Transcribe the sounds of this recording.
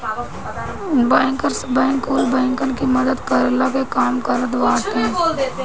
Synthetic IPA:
bəːŋkəɾsbɛːŋkuːlbɛːŋkənkimɐd̪əd̪kɐɾəlakekaːmkəɾət̪ʋaːt̪ẽː

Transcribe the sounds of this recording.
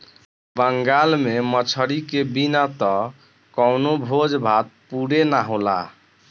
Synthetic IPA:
bəŋɡalmemət͡ʃʰəɽikebinat̪ɔ | kɔwnobʱod͡ʒbʱat̪̚puɽenaɦola̰

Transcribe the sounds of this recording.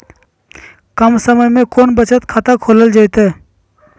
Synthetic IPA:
kəmsəməjmẽkoːnbət͡ʃət̪kʰaːt̪akʰoːləld͡ʒajt̪e

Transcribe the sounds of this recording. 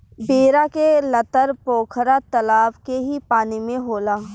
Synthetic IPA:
beːɾakelɐt̪əɾpoːkʰɾat̪əlaːbkeɦipaːnimẽɦoːlaː

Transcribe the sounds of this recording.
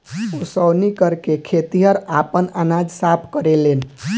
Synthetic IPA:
osəwnikəɾkekʰet̪iɦəɾapənanad͡ʒsapʰkəɾelen

